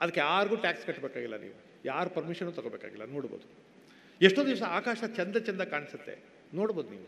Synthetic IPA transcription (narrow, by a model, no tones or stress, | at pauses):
ɐd̪ɐkːeaːɾɡuːʈaːkskɐʈːbeːkaːɡilːɐnḭːʋu | jaːɾupɐɾmiʃɐnuːt̪ɐɡobeːka̰ːɡilːɐnoːɽboːd̪u | eʂʈoːd̪iʋsɐaːkaːʃɐt͡ʃɐnd̪ɐt͡ʃɐnd̪ɐkaːɳisɐt̪ːe̞̰ | no̞ːɽboːd̪uniːʋu